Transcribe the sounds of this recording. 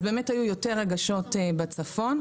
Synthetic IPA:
be̞ːmethajujo̞teʁːeɡaʃo̞tebat͡safo̞n

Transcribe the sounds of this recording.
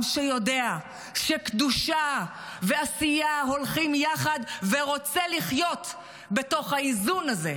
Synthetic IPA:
mʃejo̞dea | ʃekd̪uʃa | ve̞asijaɦo̞lχimjaχad̪veʁo̞t͡seliχjo̞t̪ | be̞to̞χhaizunaze̞̰

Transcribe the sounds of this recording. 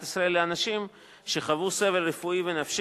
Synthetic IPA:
tisʁae̞lːeanaʃim | ʃe̞χavuse̞ve̞lʁefuive̞nafʃ

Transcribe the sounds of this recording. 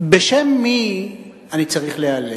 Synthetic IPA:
beʃemːi | anit͡saʁiχleale

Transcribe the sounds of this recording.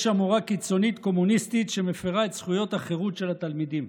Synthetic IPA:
ʃamuʁakit͡so̞nit̪ko̞munist̪it̪ʃe̞mefeʁae̞t̪sχujo̞t̪haχeʁutʃe̞lat̪almid̪im

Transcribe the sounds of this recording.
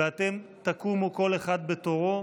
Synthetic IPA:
eat̪e̞mt̪akumoko̞leχad̪̚bet̪o̞ʁo̞

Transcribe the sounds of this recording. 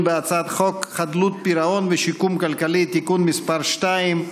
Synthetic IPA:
beat͡sad̪χokχad̪lut̪̚piɾaonveʃikumkalkalit̪ikunmispaɾʃt̪aim

